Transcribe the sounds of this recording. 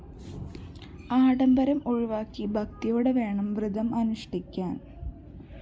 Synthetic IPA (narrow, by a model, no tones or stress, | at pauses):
aːɽɐmbɐɾɐmuɻiʋaːkːibʱɐk̚t̪ijo̞ːɽeʋe̞ːɳɐmʋrɨd̪ɐmɐnuʂʈikʲːaːn